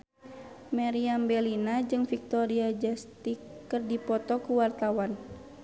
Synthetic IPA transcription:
maɾiambɛlinad͡ʒɨŋfik̚t̪ɔɾiad͡ʒast̪ikːɨrdipɔt̪ɔkuwart̪awan

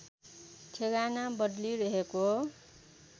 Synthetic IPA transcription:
t͡sʰeɡanabʌɖliɾʌɦeko

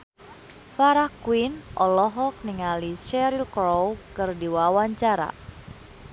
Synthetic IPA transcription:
faɾahkwinʔɔlɔɦɔk̚niŋaliʃɛɾilkɾɔwkɨrdiwawaɲt͡ʃaɾa̰

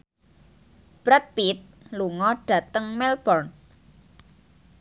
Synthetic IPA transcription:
b̥ɾɛt̪̚pit̪̚ | luŋɔɖ̥ä̤t̪əŋmɛlb̥ɔrn

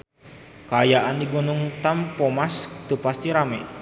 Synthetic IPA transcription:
kaːjaʔandiɡunuŋt̪ampɔmast̪upast̪iɾamɛ

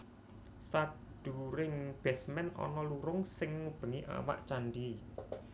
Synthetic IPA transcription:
sa | d̪̥ṳɾɪŋb̥ɛsmɛnɔ̰nɔluɾʊŋsɪŋːub̥ə̤niʔa̰wa̰ʔt͡ʃanɖi

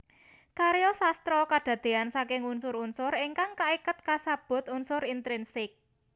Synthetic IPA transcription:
kaɾjɔsast̪ɾɔkaɖ̥ä̤d̪̥e̤ansakɪŋunsʊɾunsʊriŋkaŋkaikət̪̚kasab̥ʊ̤t̪unsʊɾint̪ɾinsɪk̚

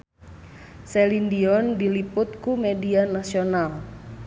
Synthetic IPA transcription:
sɛlindiɔndilipʊt̪̚kumedianasional

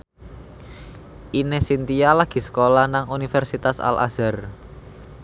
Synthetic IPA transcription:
ʔinesint̪ijalaɡ̥i̤sə̥kolahnaŋunifɛrsit̪asa̰lʔa̰z̥ar

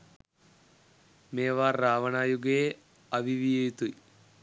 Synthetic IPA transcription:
meːʋaːrːaːʋɐɳaːjuɡe | ɐʋiʋijejt̪ɨ

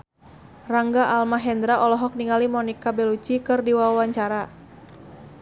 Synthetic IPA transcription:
raŋɡaʔalmaɦɛnd̪ɾaʔɔlɔɦɔk̚niŋalimɔnikabɛlut͡ʃikɨrdiwawaɲt͡ʃaɾa

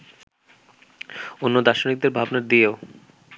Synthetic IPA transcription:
onːod̪aʃonik̚d̪eɾbʱabnaɾd̪ieo

